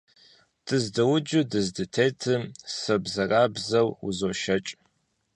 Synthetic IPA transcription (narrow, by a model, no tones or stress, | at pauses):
d̥ɨzdɐwʊd͡ʒɨdɨzdɨtʰeːtʰɨmsɨbzɐraːbzɐwṵzoːʃɐt͡ʃʼ